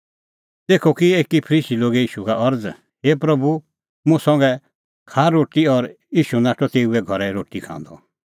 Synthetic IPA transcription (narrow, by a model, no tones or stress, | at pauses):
t̪eːkʰɔkieːkipʰəɾiːsiloːɡeiːʃukaʔɐɾd͡z | heːpɾɐbu | mũsɐ̃ŋɡɛ | kʰaːɾoːʈiɔɾ | iːʃunaːʈʰɔt̪eːuɛɡʱɔɾɛɾoːʈikʰã̰ːnd̪ɔ